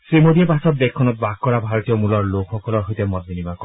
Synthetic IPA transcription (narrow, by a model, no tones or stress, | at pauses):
sɹimod̪iepasɔt̪̚d̪ekʰːɔnɔt̪̚baɡ̚kːɔɹabʱaɹɔt̪ijɔmulɔɹlokʰxɔkɔlɔɹɦojtemɔd̪̚binimak